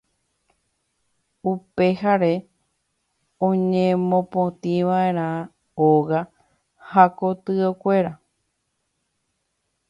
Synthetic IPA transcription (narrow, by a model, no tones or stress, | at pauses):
upe̞haɾe | õɲẽmõpõt̪ĩʋaeɾ̃ã | oɣa | hako̞t̪ɨokʷe̞ɾa